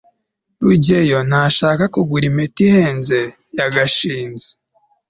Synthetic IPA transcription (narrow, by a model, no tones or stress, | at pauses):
ɾuɟe̞jo̞naʃaːkakuɡuɾimetiheːnze̞ | jaɡaʃiːnze̥